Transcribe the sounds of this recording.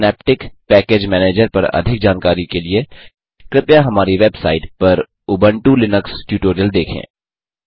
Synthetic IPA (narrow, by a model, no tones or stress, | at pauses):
nɛːp̚ʈɪkpɛːkeːd͡ʒmɛːneːd͡ʒəɾpɐɾɐ̰d̪ʱɪk̚d͡ʒaːnkaːɾikelie | kɾɪpjaɦɐmaːɾiʋebsa̰ːɪʈpɐɾ | ʊbə̃ɳʈulɪnəksʈjuːʈoːɾijəld̪eːkʰḛ̃ː